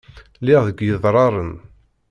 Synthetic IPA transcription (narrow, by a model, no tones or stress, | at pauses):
lɪʁðəɡjəðˤɾˤɑɾˤən